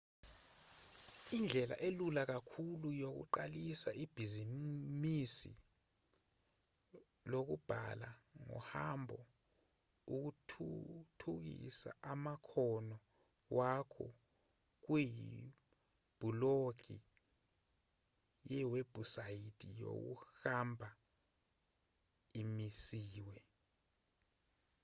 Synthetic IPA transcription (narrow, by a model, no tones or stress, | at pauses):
ind͡ɮʱɛla̰ʔelulak̬akʰulujok̬ṵǃalisaʔib̥ʱizimisḭ | lok̬ub̥ʱalaŋɔ̰hambʱɔ | uk̬utʰtʰuk̬ḭsa̰ʔamakʰɔnɔ | wʔakʰɔ̰ | k̬wijḭ | b̥ʱuloɡ̥ʱi | jɛweb̥ʱusajitʰʼijo̰k̬ṵxambʱa | imisiːwɛ